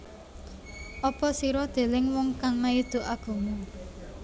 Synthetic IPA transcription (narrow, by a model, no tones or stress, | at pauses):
ʔɔpɔsiɾɔd̪̥e̤lɪŋwɔŋkaŋnaid̪̥o̤ʔaɡ̥o̤mu